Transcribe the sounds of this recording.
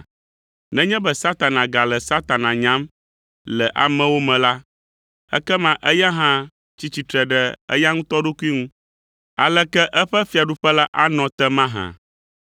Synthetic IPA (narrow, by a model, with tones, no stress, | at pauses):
nɛ̃˦ɲɛ̃˦bɛ˦sa˦t̪a˨nã˨ɡa˨lɛ˨sa˦t̪a˨nã˨ɲã˦m | lɛ˨ʔa̰˨mɛ̃˨wo˦mɛ̃˨la˦ | ɛ̰˦kɛ˦mã˨ʔɛ˦ja˦ɦã˦ | t͡ɕi˦t͡ɕi˨t̪ɾɛ˨ɖɛ˨ə̰˦ja˦ŋũ˦t̪ɔ˦ɖo˦ku˦i˦ŋũ˦ | a˨lɛ˦kɛ˦ʔɛ˦ɸɛ˦fi˨a˨ɖu˦ɸɛ˦la˦ʔa˦nɔ̃˨t̪ɛ˦mã˦ɦã̰˨